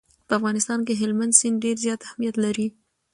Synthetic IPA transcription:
pəafɣɑnɪst̪ɑnk̬eɦɪlmand̪sɪnɖeɾzjɑt̪ahmijat̪laɾi

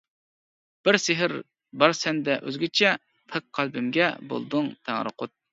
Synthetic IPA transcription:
b̥ɪɾsɪɦɪɾ | bɑɾsɛnd̪ɛʔø̰zɡʲɪt͡ʃʰɛ | p̪ʰɨk̚qʰːælˠbɪmɡʲɛbo̰lˠd̪ʊŋt̪ʰæŋɾɨ̰qʊt̪̚

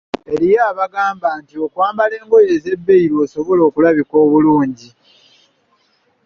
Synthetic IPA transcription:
e̞ɾijaːβaɡaːmbaːntio̞kwaːmbale̞ːŋɡo̞je̞ːze̞bːe̞iɾoːso̞βo̞lo̞ːkulaβiko̞ːβuluːɲɟi

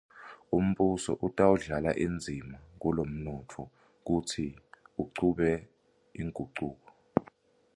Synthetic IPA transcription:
um̩ɓusɔ̰ʔutʼawuɮala̰ʔind͡zʱimak̬ulom̩nɔtʰɔ | k̬utʰiuǀuɓɛ | iŋʱuǀuːk̬ɔ

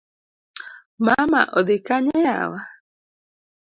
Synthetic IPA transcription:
mama̰ʔoðekaɲeea̰wa

